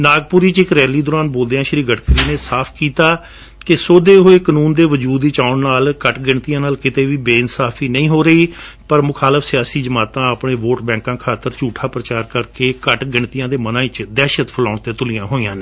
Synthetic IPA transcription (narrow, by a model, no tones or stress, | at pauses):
naːɡ̚pʊːɾiːt͡ʃɪkɾɛːliːd̪oːɾaːnboːld̪eãːʃɾiːɡəʈkəɾiːneːsaːpʰkiːt̪aː | kɪsoːd̪eːɦoːeːkənuːnd̪eːʋəd͡ʒuːd̪iːt͡ʃaːʊnnaːlkəʈɡɪɳt̪ijãːnaːlkɪt̪eːʋiːbeːɪnsaːpʰiːnəĩːɦoːɾəiːpəɾmʊkʰaːləfʰsɪjaːsiːd͡ʒəmaːt̪ãːəpɳeːʋoːʈbɛ̃ːŋkãːkʰaːt̪əɾt͡ʃuːʈʰaːpɾət͡ʃaːɾkəɾkeːkəʈɡɪɳt̪ijãːd̪eːmənãːɪt͡ʃd̪ɛːʃət̪pʰəlaːɳt̪eːt̪ʊlɪjãːɦoːijãːneː